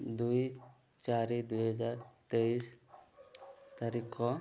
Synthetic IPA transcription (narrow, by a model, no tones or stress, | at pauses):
d̪uj | t͡ʃaɾid̪ujɦad͡ʒaɾt̪eis | t̪aɾikɔ